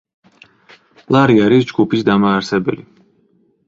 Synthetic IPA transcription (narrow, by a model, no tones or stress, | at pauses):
lˠaɾiaɾisd͡ʒɡupʰisd̪amaːɾsɛbɛ̰li